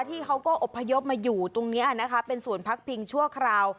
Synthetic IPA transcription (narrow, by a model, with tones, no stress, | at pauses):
t̪ʰiː˥˩kʰa˦˥wkɔː˥˩ʔo˨˩pʰːa˧jo˦˥p̚maː˧juː˨˩t̪o˧ŋni˦˥ʔa˨˩na˦˥kʰa˦˥pe˧nsu˨˩ənpʰa˦˥k̚pʰi˧ŋt͡ɕʰu˥˩əkʰɾaː˧w